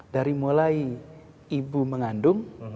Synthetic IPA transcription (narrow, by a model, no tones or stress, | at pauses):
daɾimulai | ibuməŋandʊŋ